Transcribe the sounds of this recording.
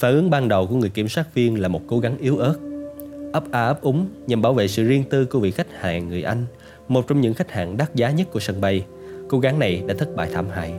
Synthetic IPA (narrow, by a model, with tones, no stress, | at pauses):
faː˧˩ʔɨ˨˦əŋɓaː˧nɗə˨˩wku˧˩ŋ˨˩əjki˧˩mswaː˦˥t̚vi˧ənlaː˨˩mo˨˩t̚ko˨˦ɣa˨˦ŋʔi˨˦əwʔəː˦˥t̚ʔə˦˥p̚ʔaː˧˩ʔə˦˥p̚ʔʊ˨˦ŋ͡mɲə˨˩mɓaː˧˩wvḛ˧˨sɨ̰˧˨zi˧ənt̪ɨ˧ku˧vḭ˧˨xa˦˥k̟̚ha̰ː˧˨ŋːɨ˨˩əjʔa˧jŋ̟ | mo˨˩t̚t͡ɕɔ˧wŋ͡mɲɨ̰˧˥ŋxa˦˥k̚ha̰ː˧˨ŋɗaː˦˥t̚zaː˨˦ɲə˦˥t̚ku˧˩əsə˧˩nɓa˧j | ko˨˦ɣa˨˦ŋna˨˩jɗa̰ː˧˥t̪ʰɨ˦˥k̚ɓa̰ː˧˨jt̪ʰaː˧˩mɦa̰ː˧˨j